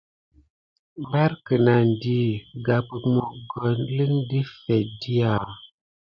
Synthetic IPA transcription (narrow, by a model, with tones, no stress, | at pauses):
mba˦ɾkɨ˨na˨n˨di˦ɡa˨pɨ˨mo˨ɡɔ˨nli˦ŋdi˦fɛ˨di˦a˨